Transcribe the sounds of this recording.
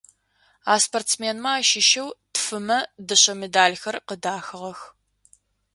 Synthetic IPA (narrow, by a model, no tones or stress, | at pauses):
aːsportsmeːnmɐaːʃɪʃɐwtfɨmɐdɨɕɐmedaːlxɐrqədaːxɨʁɐx